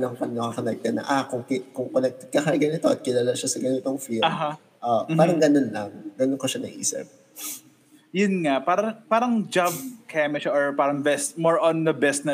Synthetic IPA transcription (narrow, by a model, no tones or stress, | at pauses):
lɐŋpɐnnɐkakɐnɐɡ̚ɡ̪ɐnɐ̰ʔakʊŋkɪkʊŋkolɛk̚t̪ɛd̪̚kɐkɐɡɐnɪt̪oʔɐt̪̚kɪlaːlaʃasɐɡɐnɪt̪oŋfilɐɦa | ʔoʔmaːɾɐŋɡɐnonlɐŋɡɐnonkoʃɐnɐɡʔḭsɛ̰p̚ | jʊnŋaʔpaːɾɐpaːɾɐŋd͡ʒavkʰɛmɪʃʔɔɹpaːɾɐŋbɛst̪mɔɹʔɔnd̪ɐbɛst̪nɐ